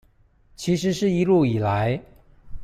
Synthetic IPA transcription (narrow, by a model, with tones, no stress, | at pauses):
t͡ɕʰi˧˥ʂɻ̩˧˥ʂɻ̩˥˩i˧˥lu˥˩i˨˩la˧˦˥ɪ